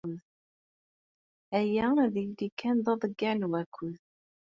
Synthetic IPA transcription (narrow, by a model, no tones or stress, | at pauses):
ð | æjæðijlikʰːænðˤɑðˤəɡːanwækʰʷːʊð